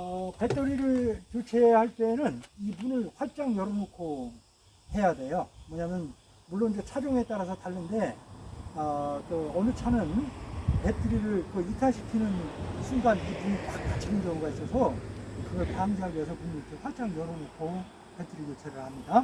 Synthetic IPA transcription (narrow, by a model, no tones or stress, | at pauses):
ʌpe̞t͈ʰɯɾiɾɯɭkjot͡ɕʰe̞haɭt͈e̞ːnɯnibunɯɭɸwat͡ɕ͈aŋjʌɾonokʰoŋ | he̞jade̞jomwʌɲamjʌn | muɭːonid͡ʑet͡ɕʰad͡ʑoŋe̞t͈aɾasʰʌtaɭːɯnde̞ | ʌt͈oʌnɯt͡ɕʰanɯnpe̞t͈ʰɯɾiɾɯɭkɯitʰaɕʰi̥kʰinɯnsʰuŋɡanibunipak̚k͈at͡ɕʰiɡɯnd͡ʑʌŋɡuɡais͈ʌsʰʌkɯɡʌɭkaŋd͡ʑeɦaɡies̬ʰʌpuŋuɭt͈eɸwaɭt͡ɕ͈aŋjʌɾonokʰoŋ | pe̞tʰɯɾikjot͡ɕʰe̞ɾɯɭhamɲida